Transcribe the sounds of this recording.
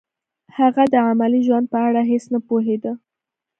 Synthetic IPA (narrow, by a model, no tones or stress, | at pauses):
haɣad̪əamaliʒwand̪̚pəaɽaɦesnapoɦed̪ə